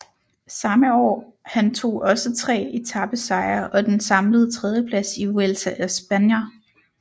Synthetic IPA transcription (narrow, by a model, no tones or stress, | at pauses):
sɑ̈məɒ̰ːhænt͡sʰo̝̰ːʔɒ̽sət͡sʰʁɛ̰ːe̝t͡sʰɑ̈b̥əsɑ̈ɪɐʔɒ̽d̥ensɑ̈mləð̞̩ˠt͡sʰʁɛð̞ˠjəpʰlæsiuelsæʔæsb̥ænjɐ